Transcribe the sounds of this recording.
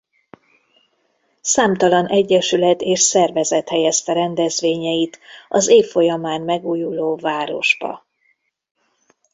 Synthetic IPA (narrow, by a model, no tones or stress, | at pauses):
saːmt̪ɒlɒnʔɛɟːɛʃylɛt̪eːʃsɛrvɛzɛt̪hɛjɛst̪ɛɾɛnd̪ɛzveːɲɛjit̪ɒzeːfːo̞jɒmaːnmɛɡuːjuloːvaːɾo̞ʒbɒ̰